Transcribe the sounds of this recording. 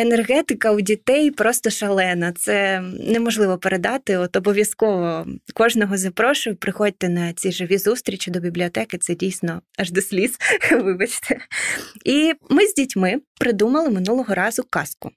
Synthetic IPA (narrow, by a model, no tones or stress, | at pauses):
enerɦɛt̪ɪkɐwdʲit̪ɛjpɾɔst̪ɔʃɐlˠɛnɐt̪sɛnemɔʒlˠɪʋɔpeɾed̪ɑt̪ɪɔt̪ɔbɔʋʲjɐskɔʋɔkɔʒnɔɦɔzɐpɾɔʃʊjpɾɪxɔd̚ʲt̪ɛnɐt͡sʲiʒɪʋʲizust̪ɾʲit͡ʃʲid̪ɔbʲiblʲiɔt̪ɛkɪt̪sɛdʲijsʲnɔɐʒd̪ɔsʲlʲisʋɪbɐt͡ʃt̪ʰɛ | imɪzʲdʲitʲmɪpɾɪd̪umɐlˠɪmɪnulˠɔɦɔɾɑzʊkɑskʊ